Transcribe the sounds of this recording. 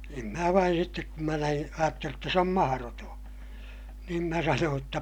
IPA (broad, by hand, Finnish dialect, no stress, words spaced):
em mæː ʋɑin sitːek kum mæ næin ɑjɑtːelij jotːɑ s om mɑhɑrotõː niːn mæ sɑnoːj jotːɑ